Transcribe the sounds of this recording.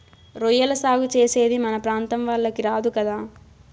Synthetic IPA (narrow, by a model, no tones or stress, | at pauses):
ɾɔjːɐlɐsaːɡut͡ʃeːse̞ːd̪imɐnɐpɾaːnt̪ɐmʋaɭːɐkiɾaːd̪ukɐd̪aː